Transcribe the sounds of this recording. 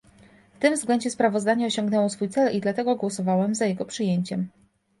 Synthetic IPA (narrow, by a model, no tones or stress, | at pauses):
ft̪ɘmvzɡlɛɲd͡ʑɛspɾavɔzd̪aɲɛɔɕɔŋɡnɛwɔsfujt̪sɛlid̪lat̪ɛɡɔɡwɔsɔvawɛmzajɛɡɔpʂɘjeɲt͡ɕɛm